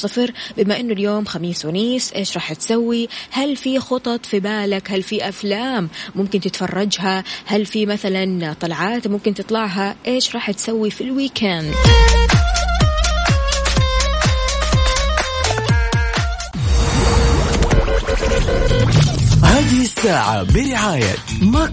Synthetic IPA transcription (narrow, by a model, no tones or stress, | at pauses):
ɪfɾbɪmaʔɪnːʊljoːmxamiːswɪniːsʔeːʃɾˤɑːħt̪sawːihalfixʊt̪ˤɑt̪ˤfibaːlakhalfiʔaflaːmːʊmkɪnt̪ɪt̪fɑrˤːɑd͡ʒɦahalfimaθalant̪ˤɑlʕɑːt̪mʊmkɪnt̪ɨt̪ˤlɑʕɦaʔeːʃɾˤɑːħt̪sawːifilwiːkʰand̪ | haːðɪhɪsːaːʕa̰bɪɾɪʕaːja̰ma